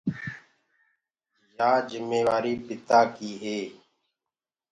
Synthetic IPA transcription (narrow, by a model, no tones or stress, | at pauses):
jaːd͡ʒɪmeːʋaːɾiːbɪt̪aːkiːɦeː